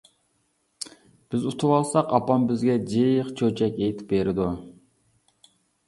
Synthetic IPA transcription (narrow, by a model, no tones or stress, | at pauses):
b̥ɪzut̪ʰuwɑlˠsɑqɑpɑmbɪzɡʲɛd͡ʒijəχt͡ʃʰøt͡ʃʰɛkʲejt̪ʰɪ̥p̚beɾɪd̪u